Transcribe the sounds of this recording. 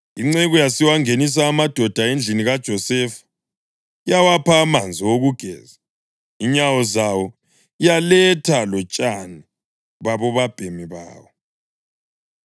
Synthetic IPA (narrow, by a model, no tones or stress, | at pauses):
iŋ͡ǀeɣujasiwaŋenis̬aːmad̥ʱɔd̥ʱaend͡ɮʱiniɣad̥ʒ̥ʱɔsɛfḁ | ijawapʰaːmand͡zʱiwoɣuɡ̥ʱɛ̰ːza | iɲawɔzawɔ | ijalɛtʰalɔt͡ʃʼani | βaβɔβab̥ʱemiβa̰ːwɔ